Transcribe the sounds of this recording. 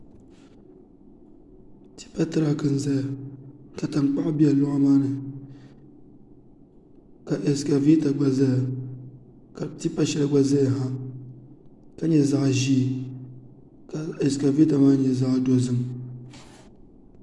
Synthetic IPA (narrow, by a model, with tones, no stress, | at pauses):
ti̥˦pa˦tɨ˦ɾa˨kɨ˨n̩˦za˦ja˨ka˨ta˨ŋ͡mk͡pa˦ʔbi˦a˨lʊ˦ŋa˦maː˦nɨ˨ | ka˨ʔe˨ska˨vi˦ta˨ɡ͡ba˨za˦ja˨ | ka˨ti˦pa˦ʃɛ˦lɨ˦ɡ͡ba˦za˦ja˨ɦa˦ | ka˦ɲɛ˦za˦ʔʒi˦˨ | ka˨ɛ˨ska˨vi˦ta˨maː˦ɲɛ˨za˦ʔdo˦zɨ˦m